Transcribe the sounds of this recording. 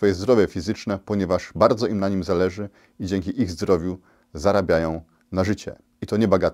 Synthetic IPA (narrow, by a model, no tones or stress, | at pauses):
fɔjɛzd̪ɾɔvʲjɛfʲizɘt͡ʂnɛpɔɲɛvaʐbaɾd̪zɔʔimnaɲimzalɛʐɘ | id͡ʑɛŋkʲiʔiɣzd̪ɾɔvʲju | zaɾabʲjajɔ̃w̃ | naʐɘt͡ɕɛ̰ | it̪ɔɲɛbaɡat̪